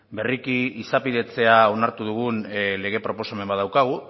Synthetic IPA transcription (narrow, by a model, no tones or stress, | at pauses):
be̞rikiisapiðe̞t͡se̞ao̞naɾt̪uðuɣ̞unle̞ɣ̞e̞pɾo̞po̞same̞mbaðawkaɣ̞u